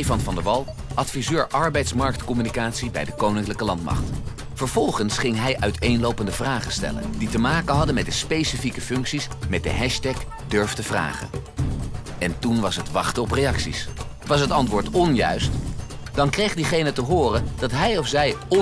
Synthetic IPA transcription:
vɑnvɑndəʋɑlˠ | ʔɑtfizøːɹʔɑɹbɛjtsmɑɹk̚tkɔmynikaːtsibɛ̰jdəkownɪŋkləkəlɑntmɑ̰χt | fəɹv̥ɔlˠχənsχɪŋɦɛjʔœɥtejnlowpəndəvraːχəstɛ̰lə̰nditəmaːkəɦɑdəmɛt̚dəspejsifikəfɵŋksismɛt̚də̰ɦɛʃtɛk | døɹftəvra̰ːχə̰ | ɛntunʋɑsɦətʋɑχtəɔprejɑksḭs | ʋɑs̬ɦətɑntʋʊːɹtɔnjœ̰ɥst | d̥ɑnkrejχdiχejnətəɦʊːrəd̥ɑtɦɛjɔfsɛj

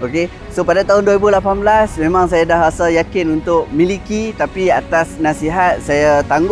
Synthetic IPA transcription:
oke | sopadat̪aɦʊnduɾibulapanblasmẽmãŋsajadahɾasəjakɪnunt̪ʊk̚milikit̪apiat̪asnasiɦat̪̚sajat̪aŋɡ

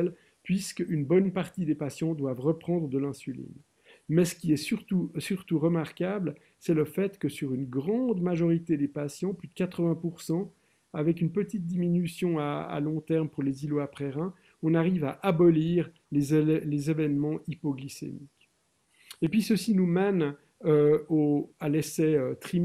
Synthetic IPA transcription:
l | pɥiskynbɔnpaʁt̪id̪epasjɑ̃d̪wavʁəpχɑ̃d̪ʁd̪əlɛ̃sylḭn | mɛsə̥kʲiɛsyʁt̪usyʁt̪uʁəmaʁkabl | sɛləfɛt̪kəsyʁynɡʁɑ̃d̪maʒɔʁit̪ed̪epasjɑ̃plyd̪əkat̪χəvɛ̃puʁsɑ̃ | avɛk̬ynpət̪it̪̚d̪iminysjɔ̃aa̰lɔ̃t̪ɛʁmpuʁleziloapχɛʁɛ̃ | ɔ̃naʁivaʔabɔliːʁ | lezlezevɛnmɑ̃ipɔɡlisḛmik | epɥisəsinumɛn | øoalɛsɛøt̪χi

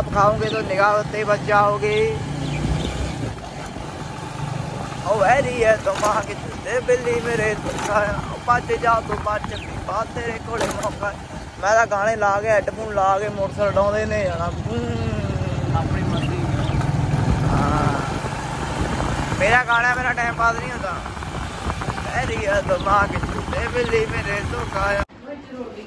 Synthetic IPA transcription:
əpkʰaːõːɡeːt̪oːnɪɡaːət̪ːeːbəd͡ʒaːoːɡeː | oːɛːɾiːɦɛːt̪omãːãːkɪt͡ʃʰʊd̪eːbɪlːiːmeːɾeːt̪əkʰãːoːpaːt͡ʃeːd͡ʒaːoːt̪oːpaːt͡ʃːpniːbaːt̪eːɾeːkʰoːleːmõːkʰaː | mɛ̃ːd̪aːɡaːɽ̃eːlaːɡeɛːɖpʰuːnlaːɡeːmoːʈsəlɖãːd̪eːnẽːãːnaːũː | aːpɳiːmənd̪iː | ɦãː | meːɾaːɡaːñaːmeːɾaːʈaːɪmbaːd̪nĩːõːd̪aː | ɛːɾiːɛːt̪oːmãːkɪt͡ʃʰud̪eːbɪlːiːmẽːɾeːɾt̪oːkʰaːjãː

